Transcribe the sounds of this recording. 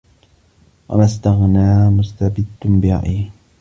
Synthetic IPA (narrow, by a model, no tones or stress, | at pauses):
wa̰mast̪aɣnaːmʊst̪abɪd̪mbɪa̰ʔiː